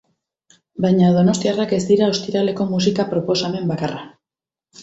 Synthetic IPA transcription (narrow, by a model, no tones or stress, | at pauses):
bajɲaðo̞no̞st̪iarake̞st̪iɾao̞st̪iɾale̞ko̞musikapɾo̞po̞same̞mbakara